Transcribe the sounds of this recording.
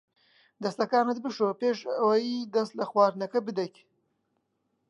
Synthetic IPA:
d̪ɐst̪lɐkaːnɨt̪̚bɨʃopeːʃɐwajid̪ɐst̪lɐxwaːɾnɐkɐbɨd̪ɐkʲ

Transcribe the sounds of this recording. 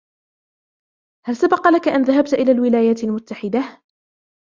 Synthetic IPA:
halsabɑqɑlakaʔanðaɦab̚t̪ʔɪlaːlwɪlaːjaːt̪almʊt̪ːaħɪd̪a

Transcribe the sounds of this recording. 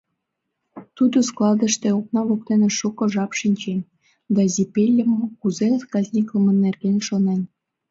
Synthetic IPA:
t̪ud̪usklˠɑd̪ə̆ʃt̪ĕok̚nɑβok̚t̪enĕʃukŏʒɑpʃinʲt͡ɕenʲ | d̪ɑzʲipʲelʲːə̆mkuzeɑskɑzʲnʲikləmə̆nːerɣenʲʃonen

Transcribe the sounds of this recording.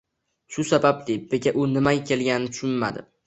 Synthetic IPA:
ʃʊsabablɪbeɡʲaʔʊnɪmajakʲʰe̞lɡʲanɪnɪt̪ʰʊ̥ʃʊnma̰d̪ɪ̰

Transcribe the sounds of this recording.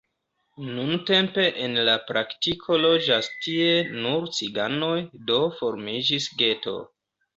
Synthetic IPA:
nunte̞mpe̞ʔenlapɾʔaktikʰo̞lo̞d͡ʒastie̞nuɾt͡siɡano̞jdo̞fo̞ɾmid͡ʒisɡe̞to̞̰

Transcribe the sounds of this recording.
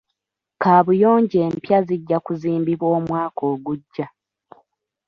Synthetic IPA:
kaːβujo̞ːɲɟeːmpjaziɟːakuziːmbiβwo̞ːmwaːko̞ːɡuɟːa

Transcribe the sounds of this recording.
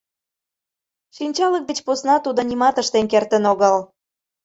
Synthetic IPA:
ʃinʲt͡ɕɑlək̚d̪et͡ɕposnɑt̪ud̪ŏnimɑt̪əʃt̪enkert̪ə̆noɣəl

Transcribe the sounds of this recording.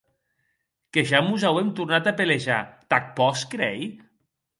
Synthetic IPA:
keʒamuzawemt̪uɾnat̪apeleʒa̰t̪ak̚pɔskɾɛj

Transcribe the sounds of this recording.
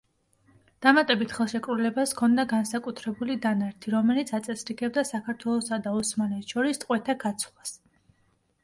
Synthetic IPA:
d̪̥amat̪ʼɛbit̪ʰχɛlˠʃɛkʼɾulɛbaskʰɔnd̪aɡansakʼut̪ʰɾɛbulid̪anaɾt̪ʰiɾɔmɛlit̪sʰat̪sʼɛsɾiɡɛbd̪asakʰaɾt̪ʰwɛlˠɔsad̪aɔsmalɛt̪ʰʃɔɾist̪ʼqʼwɛt̪ʰaɡat̪sʰlˠas

